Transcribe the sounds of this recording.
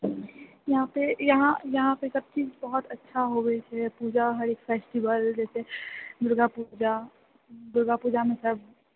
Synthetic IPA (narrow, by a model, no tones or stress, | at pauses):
jɐɦãpejɐɦãjɐɦãpesɐb̚t͡ʃiːd͡ʒbɔɦɔt̪ɐtːʃʰaɦoɡet͡ʃʰɛpuːd͡ʒaɦɐɾeːkfɛːsʈibəld͡ʒɛːsed̪ʊɾɡapud͡ʒa | d̪ʊɾɡapuːd͡ʒamẽsɐb̚ʱ